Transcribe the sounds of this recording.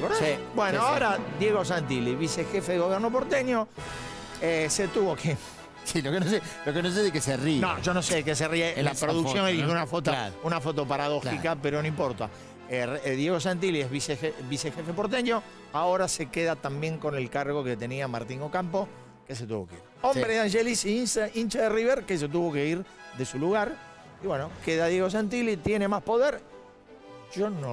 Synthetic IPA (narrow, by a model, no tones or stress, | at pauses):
kosibwenoaoɾad̪je̞ɣo̞s̬ant̪iliβisexefeðeɣo̞βjeɾno̞p̬oɾt̪eɲo̞ | eset̪uβoke | silokenoselokenos̬eðekeserinõʒonoseðekes̬erialapɾoðuksjoŋeðixeunafot̪olaunafo̞t̪opaɾað̞o̞xikapeɾonõimpo̞ɾt̪a̰ | eðje̞ɣo̞s̬ant̪̬iliezβseebisexefepoɾt̪̬eɲo | aoɾasekeðat̪ambje̞ŋko̞ne̞lkaɾɣo̞ket̪e̞niamaɾt̪iŋɡokampo | kes̬et̪uβo̞keḭɾombbɾeðaŋʃelissint͡ʃaðeriβeɾkes̬et̪̬uβo̞ke̞iɾ | ðesuluɣaɾ | iβwe̞nokeðaðjeɣo̞s̬ent̪̬ilit̪je̞ne̞maspo̞ðeɾ | ʒ̥ono